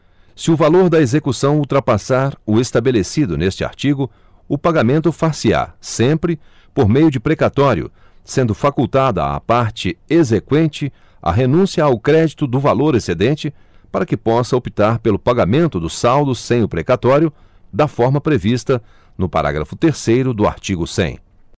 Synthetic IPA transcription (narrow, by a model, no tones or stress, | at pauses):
sɪʊvaloɾd̪ɐezekusɐ̃w̃uwt̪ɾɐpasaɾʊest̪abelesid̪ʊnest͡ʃɪa̰ɾt͡ʃiɡʊ | ʊpaɡamẽnt̪ʊfasɪa̰sẽmpɾɪ | poɾmejʊd͡ʒɪpɾekat̪ɔɾiʊ̰ | sẽnd̪ʊfakuwt̪ad̪ɐ̰ɐ̰paɾt͡ʃɪezekwẽnt͡ʃɪ | ɐ̰ɦenũsiɐawkɾɛd͡ʒit̪ʊd̪ʊvaloɾesed̪ẽnt͡ʃɪ | paɾɐkɪpɔsɐopi̥t̪aɾpelʊpaɡamẽnt̪ʊd̪ʊsawd̪ʊsẽj̃ʊpɾekat̪ɔɾjʊ | d̪ɐfɔɾmɐpɾevist̪ɐ | nʊpa̰ɾa̰ɡɾɐ̰fʊt̪eɾsejɾʊd̪ʊa̰ɾt͡ʃiɡʊsḛ̃j̃